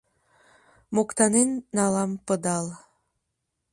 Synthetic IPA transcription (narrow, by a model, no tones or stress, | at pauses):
mokt̪ɑnenːɑlɑmpəd̪ɑl